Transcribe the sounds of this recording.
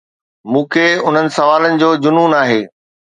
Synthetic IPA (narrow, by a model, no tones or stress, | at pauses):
mũːkʰeʊn̤ənɪ̆sɐʋaːlənɪ̆d͡ʑoːd͡ʑʊnuːnaːɦeː